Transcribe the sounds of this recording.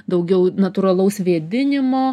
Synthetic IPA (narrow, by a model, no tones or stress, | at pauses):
d̪ɐʊɡʲɛʊnɐt̪uːɾɐlˠɐʊsʋʲiɛd̪ʲɪnʲɪmoː